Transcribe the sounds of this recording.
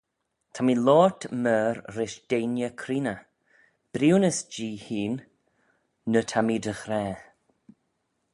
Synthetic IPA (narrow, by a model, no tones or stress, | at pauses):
tʰamiːlɔːtməːɾɾɪʃd̥eːnjəkʰɾiːnə | b̥ɾiwnəsd͡ʒiːhiːn | ətʰamiːdəxɾɛː